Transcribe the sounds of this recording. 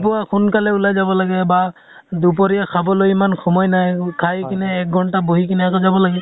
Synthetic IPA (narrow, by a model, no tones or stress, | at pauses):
p̬ʊakunkalɛulajzabɔlaɡɛba | dup̬ɔɹiakʰabɔlojimanxʰɔmɔjnajkʰajkinɛːk̚ɡʱɔntaboɦikinɛakɔzabɔlaɡɛ